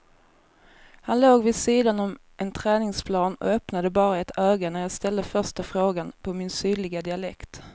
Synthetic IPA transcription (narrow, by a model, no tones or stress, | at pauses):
hanloːɡvɪd̪siːd̪anɔm | ʔɛnt̪ʰɾɛːnɪŋspʰlɑːnɔ̰œpnad̪əbɑːɾaɛt̪œːɡanæɾjɑːɡst̪ɛld̪əfœʂʈafɾoːɡanpʰɔmɪnsyːlɪɡad̪ɪalɛ̰kt̪